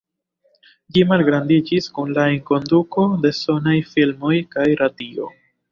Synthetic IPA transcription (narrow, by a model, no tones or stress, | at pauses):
d͡ʒimalɡɾandid͡ʒiskunlaiŋko̞nduko̞de̞so̞najfilmo̞jkajɾadio̞̰